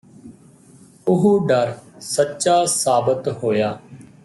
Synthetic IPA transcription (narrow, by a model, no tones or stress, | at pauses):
ʊɦuɖəɾsətːʃaːsaːbət̪ɦoːjaː